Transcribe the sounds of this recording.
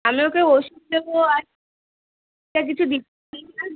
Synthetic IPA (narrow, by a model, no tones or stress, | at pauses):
amiokeoʃub̚d̪eboa | ʈak̬it͡ɕʰud̪ik | iina